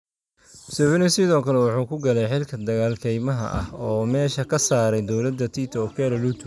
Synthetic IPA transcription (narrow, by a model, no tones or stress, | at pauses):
sɛʕɪnɪsɪðɔːkʰɐlɛwɑħuːkʰʊɡɐlɛjħɪlkʰɐd̪ɐɣaːlkʰɛjmɐɦɐ̰ʔɐ̰hɔːmɛːʃɐkʰɐsaːɾɛjd̪ɔwlɐd̪ːɐt̪ʰit̪ʰɔkʰɛɾɔlut̪ʰ